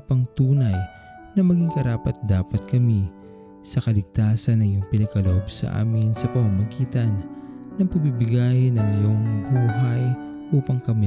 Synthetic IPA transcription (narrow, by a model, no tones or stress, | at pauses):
pɐŋt̪uːnɐj | nɐmɐɡiŋkɐɾaːpɐt̪̚d̪aːpɐt̪̚kɐmi | sɐkɐlɪɡ̚t̪aːsɐnːɐjʊŋpɪnɐɡ̚kɐloʔobsɐ̰ʔa̰ːmɪnsɐpɐmɐmɐɡiːt̪ɐnːɐŋpɐɡ̚bibɪɡaːjnːɐŋjoŋbuːɦɐj | ʔuːpɐŋkɐmi